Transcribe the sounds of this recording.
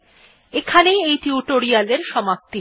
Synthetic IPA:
ekʰanejejʈiuʈoɾialeɾʃɔmap̚t̪i

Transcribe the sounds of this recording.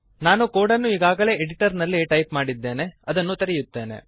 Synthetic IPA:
naːnukoːɽɐnːuiːɡaːɡɐɭe̞ːeɽiʈɐɾnɐlːiʈɐjpmaːɽid̪ːe̞ːne̞ɐd̪ɐnːut̪ɐɾɛjut̪ːe̞ːne̞̰

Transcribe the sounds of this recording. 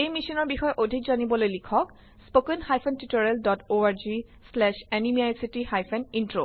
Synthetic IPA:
ejmisɔnɔɹbixɔjʔodʱikzanibɔlojlikʰɔk | spokɛnhajpʰɛntitɔɹɛldɔtoaɹzi | slɛʃɛnimiajsitihajpʰɛnintɹo

